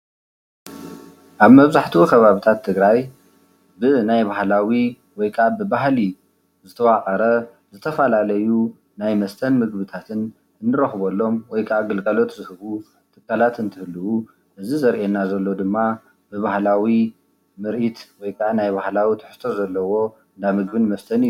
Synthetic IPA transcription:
ʔaβmɐβzaħt̪ʰukʰɐβaβit̪ʰat̪ʰːɨɡɾaj | bɨnajβahlawi | wɔjkʰabɨbaɦli | zɨt̪ʰɐwaqʼɐɾɐ | zɨt̪ʰɐfɐlalɐju | najmɐst̪ʰɐnmɨɡbɨt̪ʰat̪ʰɨn | ʔɨnːɨɾɐxβolːo̞mwɔjkʰaʔaɡɨlɡʼalo̞t̪zɨhɨβu | t̪ʰɨkʰːalat̪ɨnt̪ʰɨhɨlɨwu | ʔɨzizɐɾʔenːazɐlːo̞d̪ɨmːa | bɨβahlawi | mɨɾʔit̪wɔjkʰaʕanajbahlawit̪ʰɨ̥ħɨ̥st̪ʰo̞zɐlːɐwo̞ | ɨnd̪amɨɡbɨnmɐst̪ʰɐn

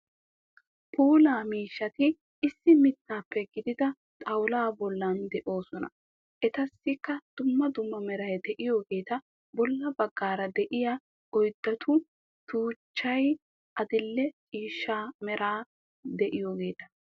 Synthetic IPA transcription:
pʰuːlaːmiːʃːɐt̪ɪ | ɪsːɪmɪt̪ːaːpːɛɡɪd̪ɪd̪ɐ | t̪ʼɐwlaːbɔlːɐnd̪ɛʔo̞ːsɔnɐ̰ | ʔɛt̪ɐsːɪkːɐd̪̥ʊmːɐd̪ʊmːɐmɛɾɐjd̪ɛʔɪjo̞ːɡe̞ːt̪ɐ | bɔlːɐbɐɡːaːɾɐd̪ɛʔɪja | ɔjd̪ːɐt̪ʰʊ | t̪uːt͡ʃːɐj | ʔɐd̪ɪlːɛt͡ʃʼiːʃːaːmɛɾʔaː | d̪ɛʔɪjo̞ːɡe̞ːt̪ɐ̥

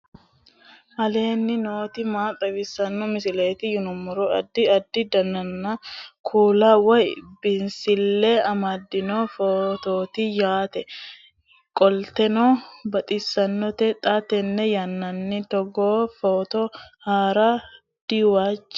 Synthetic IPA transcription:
ʔɐle̞ːnːɪnoːt̪ɪmaːt̪ʼɐbɪsːɐnːɔmɪsɪle̞ːt̪ɪjʊnʊmːʊɾɔɐd̪ːɪɐd̪ːɪd̪ɐnːɐnːakʰuːlawɐjbɪnsɪlːɛɐmɐd̪ːɪnoːfoːt̪oːt̪ɪjaːt̪ɛ | kʼɔlt̪ɛnoːbɐt̪ʼɪsːɐnːɔt̪ɛt̪ʼat̪ɛnːɛjɐnːɐnːɪt̪ɔɡoːfoːt̪ɔhaːɾa | d̪̥iwaːt͡ʃː

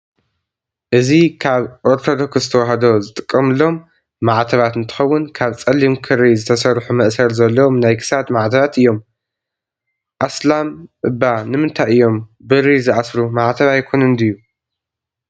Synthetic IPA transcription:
ʔɨzikʰaβʔoɾt̪ʰo̞d̪o̞kszɨt̪ʰɐwaɦɐd̪o̞zɨt̪ʼɨ̥kʼːɐmɨlːo̞mː | aʕt̪ʰɐβat̪ɨnt̪ʰɨ̥xɐwːʊnkʰaβt͡sʼɐlːimkʰɨɾizɨt̪ʰɐsɐɾħumɐʔsɐɾzɐlːɐwomnajkʰɨ̥sad̪maʕt̪ʰɐβat̪ɨjːo̞m | ʔaslamʔɨbanɨmɨnt̪ʰajɨjːo̞mbɨɾizɨʔasɾumaʕt̪ʰɐβajkʰonɨnd̪ɨjːu

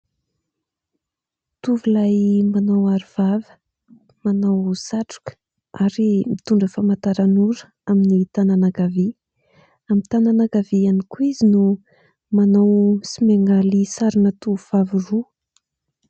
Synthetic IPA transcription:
t̪uvilajmanawaɾivavə̥ | manawsaʈ͡ʂu̥kə̥ | aɾimit̪uɳɖ͡ʐəfamat̪aɾanuɾə̥ | aminit̪ananaɡavi | amit̪ananaɡavianikuizinu | manawsimeŋɡalisaɾinət̪uvuv̥aviru

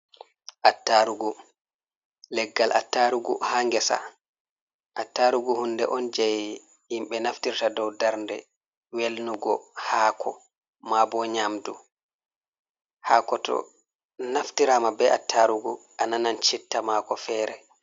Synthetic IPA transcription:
ʔatːaɾuɡu | lɛɡːalʔa̰tːaɾuɡṵhaŋɡɛsa̰ | ʔatːaɾuɡuhundɛʔɔnd͡ʒɛj | himɓɛnaftiɾtadɔwdaɾndɛ | welnuɡɔhaːkʰɔ | mabɔɲamdu | haːkɔtʰɔ̰ | naftiɾamabɛʔa̰tːaɾuɡuʔananant͡ʃitːamakɔfɛːɾɛ

